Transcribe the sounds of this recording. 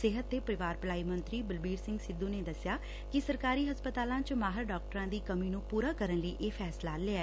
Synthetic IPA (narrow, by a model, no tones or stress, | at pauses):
sɪːɦət̪ːeːpəɾɪʋaːɾplaːiːmənt̪ɾiːbəlbiːɾsɪ̃ŋɡsɪd̪ːũːneːd̪əsjaː | kɪsəɾkaːɾiːɦəspət̪aːlãːt͡ʃmaːɦəɾɖɔːk̚ʈəɾãːd̪iːkəmiːnũːpuːɾaːkəɾənləiːʔeːpʰɛːslaːleːa